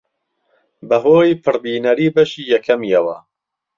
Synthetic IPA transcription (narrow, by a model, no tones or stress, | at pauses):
bɐɦoːipʰɨɾbiːnɐɾiːbɐʃiːjɛkʰɐmijɛwɐ̰